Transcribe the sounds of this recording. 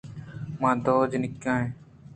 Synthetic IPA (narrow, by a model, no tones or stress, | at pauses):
mãːd̪oːd͡ʒnɪkjãːẽː